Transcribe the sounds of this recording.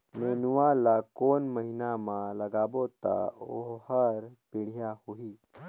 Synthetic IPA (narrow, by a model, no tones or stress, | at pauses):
meːnuʋalakoːnməɦinamãləɡaːbot̪a̰oɦhəɾpɪɽ̤ijahuiː